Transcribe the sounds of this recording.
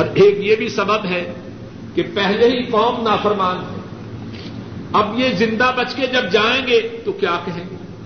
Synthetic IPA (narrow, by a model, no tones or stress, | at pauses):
ɔːɾeːkjebʱisɐbəbɦɛ | kepɛɦleɦikɔːmnaːfəɾmaːntɛː | ɐbjezɪ̃nd̪abɐt͡ʃked͡ʒɐb̚d͡ʒaːẽːɡet̪okjaːkɛɦẽːŋɡeː